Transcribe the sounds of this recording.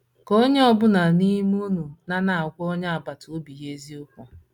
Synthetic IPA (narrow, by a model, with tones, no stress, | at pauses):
ko˦ɲe˦ɔ˦bʊ˦na˨ni˦m˦u˦nu˨na˦na˨a˨kʷɔ˦ɲa˦a˨ba˨tʊ˨o˦bi˨je˦zi˦ʊ˦kʷʊ˦